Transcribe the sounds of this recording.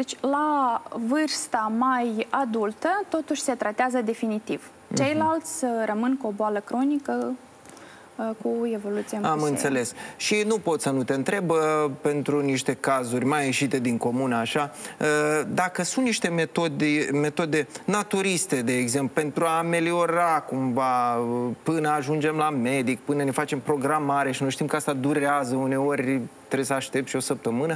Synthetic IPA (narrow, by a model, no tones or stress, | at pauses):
d̪et͡ʃʲlavɨrst̪amajad̪ult̪ət̪o̞t̪uʃʲse̞t̪ɾat̪eazəd̪e̞finit̪iv̥ | t͡ʃe̞jlalt̪sʲrəmɨnkuo̞boaləkɾo̞nikə | kue̞vo̞lut̪sijemamɨnt̪se̞le̞sʃinupo̞t̪sənut̪e̞ɨnt̪ɾe̞bpe̞nt̪ɾuniʃt̪e̞kazurʲmajeʃit̪e̞d̪iŋko̞munəaʃaəd̪akəsunt̪niʃt̪e̞me̞t̪o̞d̪eme̞t̪o̞d̪e̞nat̪uɾist̪e̞d̪e̞ːɡze̞mplupe̞nt̪ɾuaːme̞lio̞ɾakumvapɨnəaʒund͡ʒe̞mlame̞d̪ik̚pɨnəne̞fat͡ʃe̞mpɾo̞ɡɾamaɾe̞ʃinujʃt̪imkəast̪ad̪uɾeazəune̞o̞rʲt̪ɾebesəaʃt̪e̞p̚t̪ʃio̞səp̚t̪əmɨnə